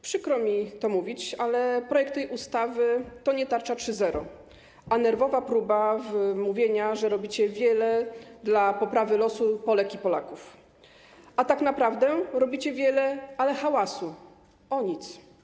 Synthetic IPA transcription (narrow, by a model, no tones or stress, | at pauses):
pʂɘkɾɔmʲit̪ɔmuvʲit͡ɕalɛpɾɔjɛkt̪ːɛjʔust̪avɘt̪ɔɲɛt̪aɾt͡ʂatʂɘzɛɾɔ | ʔanɛɾvɔvapɾubavmuvʲjeɲaʐɛɾɔbʲit͡ɕɛvʲjɛlɛd̪lapɔpɾavɘlɔsupɔlɛkʲipɔla̰kuf | at̪aknapɾavd̪ɛɾɔbʲit͡ɕɛvʲjɛlɛalɛxawasu | ɔɲit̪s